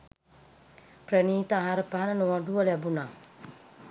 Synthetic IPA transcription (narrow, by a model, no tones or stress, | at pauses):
prəniːt̪əaɦaɾəpaɦanənoʋaɖuʋəlæbunaː